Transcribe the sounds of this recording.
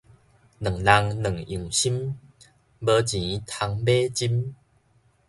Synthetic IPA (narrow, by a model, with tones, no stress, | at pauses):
nɨ˨˩ŋla˧ŋnə˨˩ŋĩ˨˩ŋɕi˦m | bə˧t͡ɕĩ˨˦t̪ʰa˧ŋbe˦t͡ɕi˦m